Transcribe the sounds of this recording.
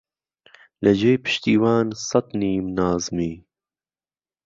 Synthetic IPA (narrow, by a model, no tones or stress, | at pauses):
lɐd͡ʑejpɪ̥ɕt̪iːwaːnsɐt̪niːmnaːzmiː